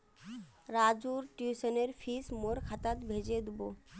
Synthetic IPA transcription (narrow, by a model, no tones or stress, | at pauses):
ɾad͡ʒuɾʈjusəneɾpʰismoɾkʰat̪at̪bʱed͡ʒed̪ubo